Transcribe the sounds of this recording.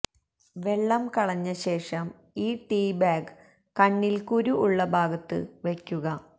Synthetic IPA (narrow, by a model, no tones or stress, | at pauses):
ʋe̞ɭːɐmkɐɭɐɲːɐɕe̞ːʂɐm | iːʈiːbaːɡ | kɐɳːilkuɾuʔːɭːɐbʱaːɡɐt̪ːɨ̰ʋekʲːuɣɐ